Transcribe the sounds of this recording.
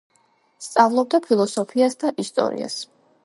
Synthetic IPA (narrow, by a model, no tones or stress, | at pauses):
st̪sʼavlˠɔb̚d̪apʰilˠɔsɔpʰiasd̪aʔist̪ʼɔ̰ɾḭa̰s